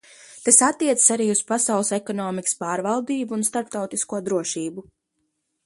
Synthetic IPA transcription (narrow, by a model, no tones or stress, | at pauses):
t̪asat̪ːiɛt̪sə̥saɾiːuspasawlˠsekɔnɔːmikə̥spaːɾvalˠd̪iːbuːnst̪aɾp̚t̪awt̪iskuɔd̪ɾuɔʃiːbu